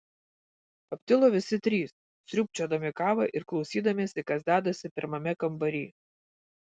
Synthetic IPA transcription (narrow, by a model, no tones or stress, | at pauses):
ɐpʲt̪ʲɪlˠoːʋʲɪsʲɪt̪ʲɾʲiːs | sʲɾʲʊpʲt͡ʃʲoːd̪ɐmʲɪkɑːʋɐʔɪɾklˠɒʊsʲiːd̪ɐmʲeːsʲɪkɐzd̪ʲæːd̪ɐsʲɪpʲɪɾmɐmʲɛkɐmbɐɾʲiː